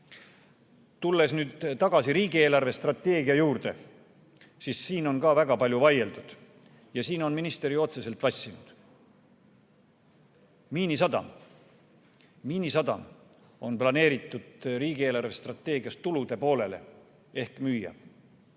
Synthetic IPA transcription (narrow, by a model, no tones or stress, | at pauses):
t̪ulːe̞snyːd̪̥t̪ɑɡ̥ɑsiɾiːɡ̥ie̞ːlɑrve̞st̪rɑt̪ːe̞ːɡiɑjuːrd̪e̞ | sisːiːno̞nkɑːvæɡɑpɑlʲjuvɑje̞ld̪ud̪̥ | jɑsiːno̞nminist̪eɾijo̞t̪se̞se̞lt̪vɑsʲːinud̪̥ | miːnis̬ɑd̪ɑ̰m | miːnisɑd̪̥ɑ̰m | o̞nplɑne̞ːɾit̪ːˑud̪̥ɾiːɡ̥ieːlɑrve̞st̪rɑt̪ːˑe̞ːɡiɑst̪t̪ːulud̪̥e̞po̞ːle̞le̞̰ | e̞hkmyːjɑ̰